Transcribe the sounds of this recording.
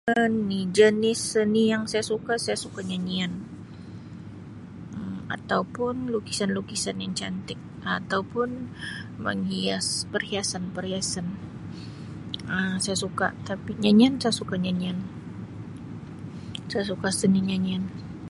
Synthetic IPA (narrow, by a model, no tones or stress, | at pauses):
ənːid͡ʒənɪsənijaŋsajasukasajasukaɲaɲian | əma̰t̪awpʊnlukisanlukisanjaŋt͡ʃa̰nt̪ɪk̚at̪awpʊnmə̰ŋhiaspərhiasanpərhiasan | əsajasuka̰t̪apiɲaɲiansajasukaɲaɲian | sajasukasəniɲaɲian